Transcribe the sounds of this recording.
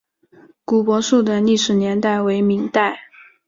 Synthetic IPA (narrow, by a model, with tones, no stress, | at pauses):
ku˨˩pwɔ˧˥ʂu˥˩d̪ə˨li˥˩ʂɻ̩˨˩njɛ˧˥nt̪a˥˩ɪwe˧˥ɪmi˧˥ŋt̪a˥˩ɪ